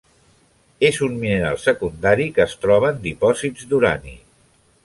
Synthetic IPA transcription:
ezunminəɾa̰lˠsəkund̪aɾikəːst̪ɾɔβ̞əːnd̪ipɔzidzd̪uɾa̰nḭ

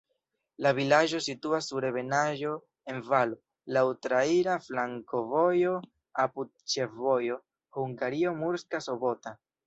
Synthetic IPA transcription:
lavilaʒo̞situasːuɾe̞βe̞naʒo̞ | e̞nvalo̞ | lawutɾaiɾaflaŋko̞vo̞jo̞ | apud̚ | t͡ʃe̞vo̞jo̞ | huŋɡaɾio̞muɾskaso̞bo̞ta

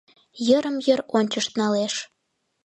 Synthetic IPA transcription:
jəɾəmjəɾonʲt͡ɕəʃt̪nɑleʃ

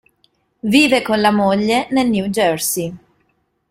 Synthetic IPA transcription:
viːvekonlamoʎːenelnjuːd͡ʒørsi

